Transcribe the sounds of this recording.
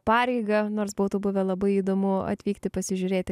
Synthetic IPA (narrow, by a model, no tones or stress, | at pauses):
pɑːɾʲɛɪɡɐnoːrsboʊt̪ubʊʋʲɛlˠɐbɐɪiːd̪oːmʊɐ̰t̪ʲʋʲiːkt̪ʲɪpɐsʲɪʒʲʊɾʲeːt̪ʲɪ